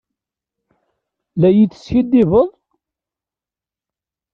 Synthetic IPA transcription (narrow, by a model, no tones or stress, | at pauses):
læjit͡s̪ːə̥sçid̪ːɪvəðˤ